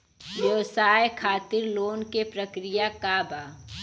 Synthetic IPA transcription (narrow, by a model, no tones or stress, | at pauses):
ʋjɐʋsaːjkʰaːt̪ɪɾloːnkepɾɐkɾɪjakaːbʱaː